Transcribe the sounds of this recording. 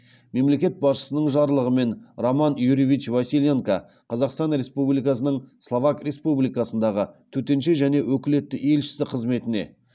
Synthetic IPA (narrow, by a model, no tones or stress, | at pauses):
me̞mle̞kʲe̞t̪̚bɑsʃə̥sənəɴʒɑɾlˠəʁəme̞nromɑnjuɾivit͡ʃvasʲilʲeŋkɑ | qʰɑzɑqst̪ɑnɾʲe̞spublijkɑsənəɴslˠovɑkrʲe̞spublijkɑsənd̪ɑʁət̪ʰɵt̪e̞nʃe̞ʒæne̞wɵkʲɪle̞t̪ːɪʔe̞lʃɪ̥sɪqʰəzme̞t̪ɪne̞̰